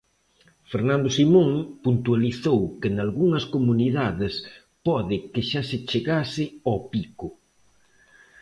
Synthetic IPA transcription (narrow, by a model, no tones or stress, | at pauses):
feɾnãnd̪ʊsimõŋpunt̪ualiθowkɪnalɣuŋɐskomuniðaðɪs | pɔðɪkɪʃasɪt͡ʃeɣasɪɔpikʊ